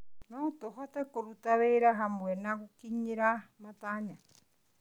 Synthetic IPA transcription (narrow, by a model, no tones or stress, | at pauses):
not̪oɦat̪akoɾut̪aβeɾaɦambwenakukiɲiɾamat̪aɲa